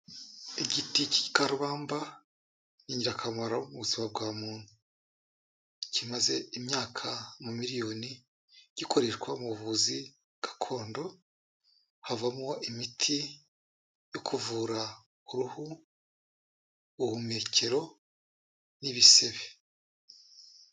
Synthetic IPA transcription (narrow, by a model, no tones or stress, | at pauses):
iɟitici̥i̥kaɾuβaːmba | ɲiːɲɟiɾakʰamaɾaumuβuzimab̚ɡwaːmuːn̥hu | cimaze̞imɲaːkʰamumiɾijo̞ːni | ɟ̥iko̞ɾe̞ɾkwamuβuzi | ɡ̥ḁkʰo̞ːndo̞ | havamuwaʔimitʰi | jo̞kʰuvuːɾa | uɾuhu | hume̞ːce̞ɾo̞ | niβise̞βe